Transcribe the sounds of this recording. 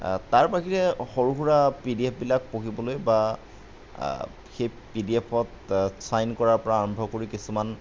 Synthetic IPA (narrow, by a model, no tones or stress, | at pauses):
taɹpaxiɹɛxoɹuxuɹapidiepʰbilak̚pokibɔlojba | xej | pidiepʰɔt | sajnkɔɹaɹpɔɹaːɹɔmbʱɔkoɹikisuman